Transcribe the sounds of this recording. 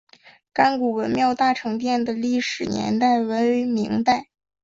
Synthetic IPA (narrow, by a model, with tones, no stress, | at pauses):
ka˥nku˨˩wə˧˥nmjɑ˥˧ʊt̪a˥˩ʈ͡ʂʰɤ˧˥ŋt̪jɛ˥˩nd̪ə˩li˥˩ʂɻ̩˨˩nʲjɛ̰˧˥nt̪a˥˩ɪwə˧˥ny˧˥mi˧˥ŋt̪a˥˩ɪ